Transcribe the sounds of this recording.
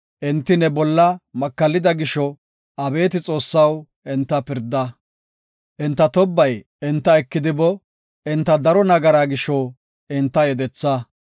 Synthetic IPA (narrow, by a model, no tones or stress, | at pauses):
ʔɪnt̪ːɪnɛbɔlːɐmɐkːɐlːɪd̪ɐɡɪʃɔ | ʔɐbe̞ːt̪ɪt͡sʼo̞ːsːɐw | ɪnt̪ːɐpɪɾd̪ːɐ | ʔɪnt̪ːɐt̪ɔbːɐj | ɪnt̪ːɐɛkːɪd̪ɪbɔ | ɪnt̪ːɐd̪ɐɾɔnɐɡɐɾaːɡɪʃɔ | ɪnt̪ːɐjɛd̪ɛt͡sːɐ